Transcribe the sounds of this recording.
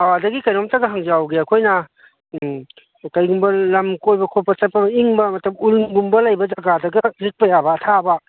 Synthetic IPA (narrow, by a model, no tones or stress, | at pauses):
awadɐɡikɐjɾomtaɡɐɦaŋd͡ʒawɡeɐkʰojnɐ | kajɡumbɐlɐmkojbɐkʰopːɐt͡ʃɐt̚pɐbɐiŋbɐmɐtɐpulɡumbɐlajbɐd͡ʒɐɡadɐɡɐɾik̚pɐjabɐːtʰaba